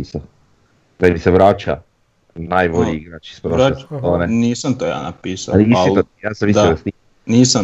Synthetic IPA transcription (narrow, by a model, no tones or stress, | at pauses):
isa | d̪amiseʋɾaːt͡ʃa̰ | najboʎiiɡɾat͡ʃi̥spɾoest̪oːnenisant̪oja̰na̰piːsa̰aliit̪ijaːsamʋisiast̪i | niːsa